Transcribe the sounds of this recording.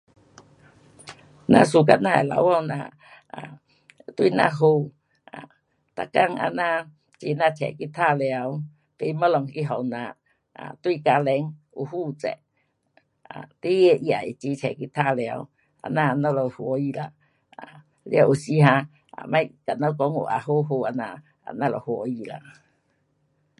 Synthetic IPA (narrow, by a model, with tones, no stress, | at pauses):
nã̰˧˦su˧ka˧˨nã˧e˨la̰˨˦wɔ˧˨nã̰˧˨ | a˨ | t̪wi˧˨nã̰˧ɦo˧ | a̰˨ | t̪a˧˨ka˧˨ŋa̰˧nã˧ | t͡ɕi˧˨nã˧t͡ɕʰɛ̰˨ki˧˦t̪ʰa˧˨lja˧˦w | t̪e˧˨˦ma˦lɔ˧˨ŋki˧˦ɦɔ˨wnã˧˨ | a˨t̪wi˦˧˨ka˧lɛ˧˦ŋ | u˧ɦuː˦˨t͡sɛ̰˨ʔ | a̰˨t̪i˦je˧˨ʔja˨i˨t͡ʃi˧t͡ʃʰɛ̰˨ki˧t̪ʰa˦˧˨le˧a̰˧w | a̰˧nã˦˧˨nõ˦lo˧hwo˨ji˧la˨ʔ | a˨ | lja˧ʔu˨si˧ɦã˧ | a̰˨mã˦jka˨nõ˦ko˧˦ŋṵ˧˨ʔa̰˧˨ɦo˦ɦo˧a˧nã˧˨ʔ | a˧˨nã˦˧lo̰˨hwo˨ji˧˨la̰˨ʔ